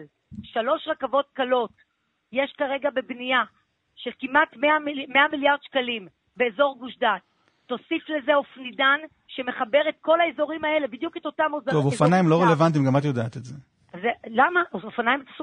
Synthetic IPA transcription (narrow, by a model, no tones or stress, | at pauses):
l | ʃalo̞ʃʁakavo̞t̚kalo̞t | je̞ʃkaʁe̞ɡabebnia | ʃe̞lkimatmeamːe̞amiljaʁd̪ʃkalim | be̞ːzo̞ʁɡuʃdatː | o̞sifle̞zeofnidan | ʃe̞me̞χabe̞ʁetko̞laezo̞ʁimae̞le̞bid̪juketo̞tamozovofanajimloʁelevant̬imɡamat̪jodaːt̪etze | zelamaʔoofanajimtas